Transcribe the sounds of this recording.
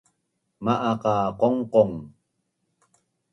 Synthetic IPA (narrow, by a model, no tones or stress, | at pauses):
maʔaqaqoŋqoŋ